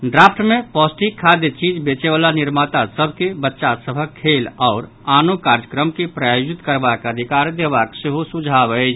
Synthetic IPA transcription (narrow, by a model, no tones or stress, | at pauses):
ɖɾaːpʰʈmẽpɔːsʈikʰːaːd̪et͡ʃiːd͡ʒbeːt͡ʃeʋaːlanɪɾmaːt̪asəbʱkebətːʃasəbʱəkʰeːlɔːɾ | aːnokaːɾd͡ʒəkɾəmkipɾaːjod͡ʒɪt̪kəɾbakəd̪ʱɪkaːɾd̪eːʋakseɦosud͡ʒʱaːbəed͡ʒ